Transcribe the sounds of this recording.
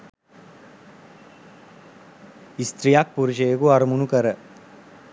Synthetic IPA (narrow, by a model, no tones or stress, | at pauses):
ist̪ɾijak̚puɾuʃəjekuaɾəmunukəɾə